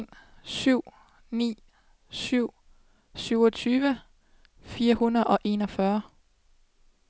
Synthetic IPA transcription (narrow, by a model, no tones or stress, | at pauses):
nsyʊ̰ | nḭː | syʊ̰ | syʊɒt͡sʰyːʋə | fiːɐhunɐðˠʔɒ̽ʔe̝̰nɒ̽fɶɐ